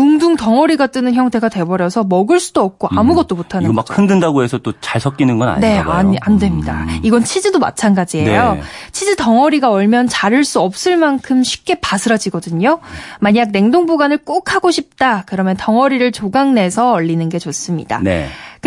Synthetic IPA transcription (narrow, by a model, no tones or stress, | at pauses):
kuŋduŋtʌŋʌɾiɡat͈ɯnɯnçjʌŋtʰe̞ɡatwe̞bʌɾjʌsʰʌmʌɡɯɭs͈udoʌp̚k͈ʰoamuɡʌt̚t͈omotʰanɯakkʰɯndɯndaɡoe̞sʰʌt͈ot͡ɕaɭsʰʌk͈inɯnɡʌna̰ɲne̞aandwe̞mɲida̰iɡʌnt͡ɕʰid͡ʑidoma̰t͡ɕʰanɡad͡ʑie̞jot͡ɕʰid͡ʑitʌŋʌɾiɡaʌɭmjʌnt͡ɕaɾɯɭs͈uʌp̚s͈ɯɭmankʰɯmɕʰi̥p̚k͈e̞pasʰɯɾad͡ʑiɡʌdɯɲomaɲaɡ̚ne̞ŋdoŋboɡanɯɭk͈okʰaɡoɕʰip̚t͈akɯɾʌmjʌntʌŋʌɾiɾɯɭt͡ɕoɡaŋne̞sʰʌʌʎːinɯnɡe̞t͡ɕʌs͈ɯmɲida̰nḛkɯ